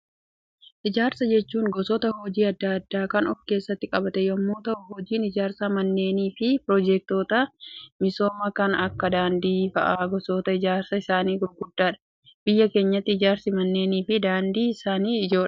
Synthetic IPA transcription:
ʔɪd͡ʒaːɾsɐd͡ʒɛt͡ʃːuːŋɡɔsɔt̪ɐhɔd͡ʒiːɐd̪ːɐɐd̪ːaːkɐnɔfke̞ːsːɐt̪ːɪkʼɐbɐt̪ɛjɔmːoːt̪ɐɦɔd͡ʒiːnɪd͡ʒaːɾsɐmɐnːe̞ːniːfɪpɾɔd͡ʒɛk̚t̪o̞ːt̪ɐmɪso̞ːmɐkɐnɐkːɐd̪aːnd̪iːfɐ̰ʔaːɡɔsoːt̪ɐɪd͡ʒaːɾsɐɪsaːniːɡʊɾɡʊd̪ːaːᶑɐ̥ | b̥ɪjːɐke̞ːɲːɐt̪ːɪɪd͡ʒaːɾsɪmɐnːe̞ːniːfɪd̪aːnd̪iːɪsaːniːɪd͡ʒo̞ːᶑɐ̥

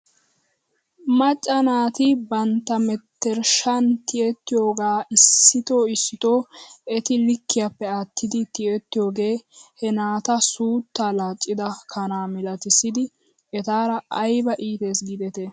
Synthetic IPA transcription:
mɐt͡ʃʼːɐnaːt̪ɪbɐnt̪ːɐmɛt̪ːɛɾʃɐnt̪ɪʔɛt̪ːɪjo̞ːɡaːɪsːɪt̪o̞ːɪsːɪt̪o̞ːɛt̪ɪlɪkːɪjapːɛɐt̪ʰːɪd̪ɪt̪ɪɛt̪ːɪjo̞ːɡe̞ːhɛnaːt̪ɐsuːt̪ːalaːt͡ʃʼːɪd̪ɐkʰɐnaːmɪlɐt̪ɪsɪd̪ɪ | ɛt̪aːɾɐʔɐjbɐʔiːt̪e̞ːsɡɪd̪ɛt̪e

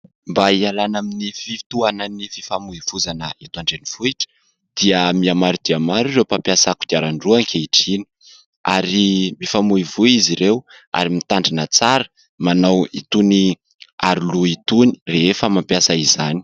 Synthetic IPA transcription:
mbaialanaminifit̪uanənifi̥famuivuzanəet̪uaɳɖ͡ʐeniv̥uiʈ͡ʂə̥ | d̪̥iəmiamaɾud̪̥iamaɾiɾewpapjasaku̥d̪̥iaɾaɳɖ͡ʐuaŋkʰeiʈ͡ʂini̥ | aɾimifamuivuiziɾew | a̰ɾimit̪aɳɖ͡ʐinət͡saɾə | manawḭt̪uni | aɾuluit̪uni̥reefəmampjasaizani̥

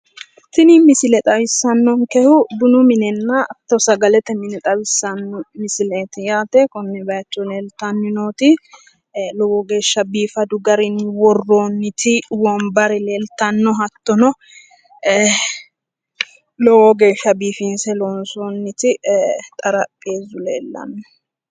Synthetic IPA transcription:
t̪ɪnimɪsɪlɛt̪ʼɐwɪsːɐnːɔŋkɛhʊbʊnʊmɪnɛnːɐɐt̪ːɔsɐɡɐlɛt̪ɛmɪnɛt̪ʼɐwɪsːɐnːɔmɪsɪleːt̪ɪjaːt̪ekɔnːɛbɐjɐt͡ʃːɔleːlt̪ɐnːɪnoːt̪ɪ | lɔwɔɡe̞ːʃːɐbiːfɐd̪ʊɡɐɾɪnɪwɔrːoːnːɪt̪ʰɪwɔmbɐɾɛleːlt̪ɐnːɔɦɐt̪ːɔnɔ | lɔwɔɡe̞ːʃːɐbiːfinsɛloːnsoːnːɪt̪ɪt̪ʼɐɾɐpʼːeːzʊlḛːlːɐ̰nːɔ

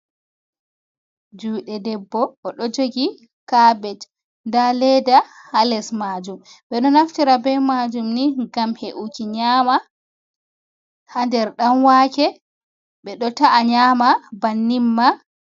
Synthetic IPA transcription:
d͡ʒuːɗɛdɛbːɔʔːɗɔd͡ʒoɡi | kabɛt | ndalɛdahalɛsmaːd͡ʒumɓɛɗɔnaftiɾabɛmad͡ʒumniɡamheʔukiɲaːma | handɛɾɗamwakɛ | ɓɛɗɔtaʔaɲaːmabanːimːa

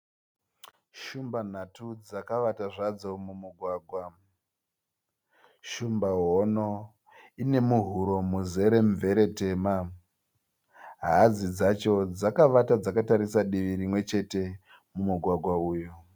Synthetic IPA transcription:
ʃumban̤atud͡zakaʋataʐad͡zo̞mumuɡʱwaːɡʱwa | ʃumbaɦono | ine̞muɦuɾo̞muze̞ɾe̞ɱve̞ɾe̞te̞ma | ɦad͡zid͡zat͡ʃo̞d͡zakaʋatad͡zakataɾisaɗiʋiɾimwe̞t͡ʃe̞te̞ | mumuɡʱwaɡʱwauːju

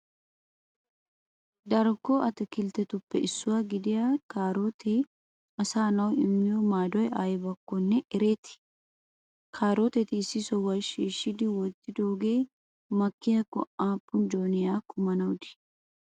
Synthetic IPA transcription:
d̪ɐɾkːɔʔɐt̪ɛkɪlt̪ɛt̪ʊpːɛɪsːʊwaːɡɪd̪ɪjakaːɾoːt̪ʰe | ɐsaːnɐwɪmːɪjɔmaːd̪ɔjaːjbɐkːɔnːɛʔɛɾeːt̪ɪ̥ | kʰaːɾoːt̪ɛt̪ɪːsːɪsɔwɐʃiːʃːɪd̪ɪwɔt̪ːɪd̪oːɡeː | mɐkːɪjɐkɔ̰ʔaːpːʊnd͡ʒoːnɪjaːkʊmɐnɐwd̪ɪ̥

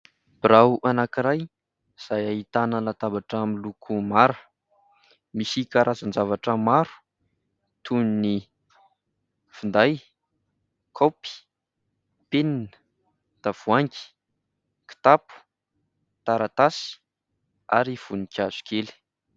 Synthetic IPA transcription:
b̥iɾawʔanakiɾaj | z̥ajaɦit̪anəlat̪abaʈ͡ʂamilukʰumaɾə | misikaɾʔazand͡zavaʈ͡ʂəmaɾu̥ | t̪ʰunini | fund̪aj | kʰopi̥ | peninə̥ | d̪̥av̥uaŋki̥ | ki̥t̪apu̥ | t̪aɾat̪asi̥ | aɾiv̥unikʲiaz̥u̥kʰeli̥

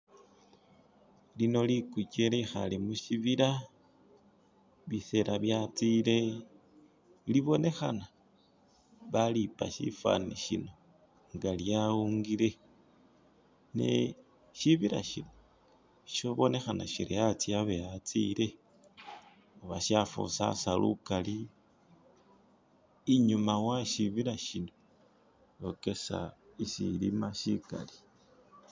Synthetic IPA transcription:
lino̞likucelexalimuʃiβiɾa | βise̞ɾaβjat͡sile̞ | liβo̞ne̞xana | βalipa̰ʃḭfa̰niʃino̞ | ŋɡaljauŋɡile̞ | nḛ | ʃiβiɾa̰ʃino | ʃoβo̞ne̞xanaʃiɾiat͡siaβejat͡sile | oβaʃafṵsa̰salukali | ɲumawaʃiβiɾaʃino | jo̞ke̞sa̰isḭlimaʃika̰li̥

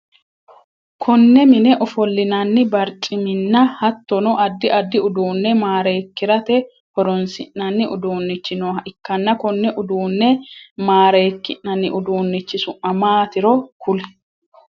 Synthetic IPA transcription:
kʰɔnːɛmɪnɛʔɔfɔlːɪnɐnːɪbɐɾt͡ʃʼɪmɪnːɐhɐt̪ːɔnɔʔɐd̪ːɪʔɐd̪ːɪʊd̪uːnːɛmaːɾe̞ːkːɪɾɐt̪ɛ | hɔɾɔnsɪ̰ʔːɐnːɪʔʊ̰d̪oːnːɪt͡ʃːɪnoːɐɪkːɐnːɐkɔnːɛʔʊd̪uːnːɛmaːɾeːkːɪʔːɐnːɪʔʊd̪uːnːɪt͡ʃːɪsʊʔɐmaːt̪ɪɾɔkʊlɛ̥

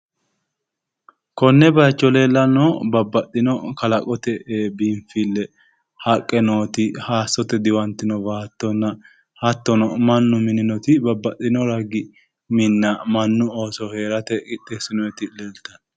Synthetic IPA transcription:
kɔnːɛbɐjt͡ʃːɔleːlːɐnobɐbːɐt̪ʼːɪnɔkɐlɐkʼɔt̪ɛbimfɪlːɛ | hɐkʼːɛnoːt̪ɪhaːsːɔt̪ɛd̪ɪwɐnt̪ɪnɔbaːt̪ːɔnːɐ | hɐt̪ːɔnɔmɐnːʊmɪnɪnɔt̪ɪbɐbːɐt̪ʼːɪnɔɾɐɡɪ | mɪnːɐmɐnːʊoːsɔhe̞ːɾɐt̪ɛkʼɪt̪ʼːesɪnɔɛt̪ɪlɛlt̪ɐn

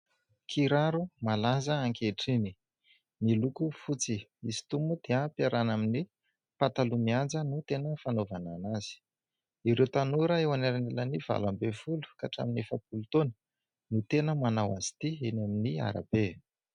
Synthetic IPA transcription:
kʰiɾaɾumalazəaŋkeʈ͡ʂini | nilukufut͡siisi̥t̪umud̪̥eəpiaɾanamini | pat̪alumiand͡zənut̪enəfanovananazi̥ | iɾewt̪anuɾəewanaɾanelaniv̥a̰lambefulu̥kaʈ͡ʂa̰minefəp̚ulut̪onə̥ | nut̪enəmanawazi̥t̪ienaminia̰ɾa̰b̥e

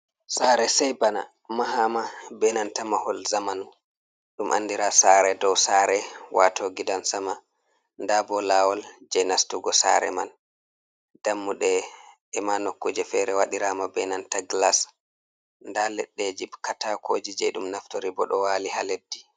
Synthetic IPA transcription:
saɾɛsɛjbana̰ | maɦamabɛnantamahɔlzamanu | ɗumʔa̰ndiɾasaɾɛdɔwsaːɾɛwʔatoɡidansama | ndabɔlawɔld͡ʒɛnastuɡɔsa̰ɾɛ̰ma̰n | d̥amːuɗɛ | ɛmanokːud͡ʒɛfɛɾɛwaɗiɾamabɛnantaɡlas | ndalɛɗːɛd͡ʒibkatakʰoːd͡ʒid͡ʒɛ̰ɗumnaftoɾibɔɗɔwalihaledːi

